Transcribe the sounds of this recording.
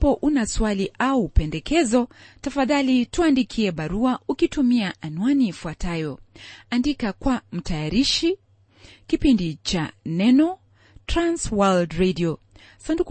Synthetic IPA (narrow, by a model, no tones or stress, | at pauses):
pɔʔunaswaliʔaupɛndɛkɛzɔtafaðalituandikʰiɛɓaɾuaʔukitumiaʔanwaniːfuatajɔandikakwam̩tajaɾiʃi | kipindit͡ʃanɛnɔ | tɾanswaldɾɛdiɔ | sandu